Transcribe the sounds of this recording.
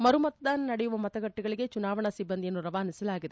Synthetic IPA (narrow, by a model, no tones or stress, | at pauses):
mɐɾɯmɐt̪t̪ːaːnnɐɽɛjʋɐmɐðɐɣɐʈːɯɣɐɭɯjeːt͡ʃʊnaːʋɐɳasɪbːɐnd̪ɪjɪnɯɾɐʋaːnɪsɐlaːɣɪð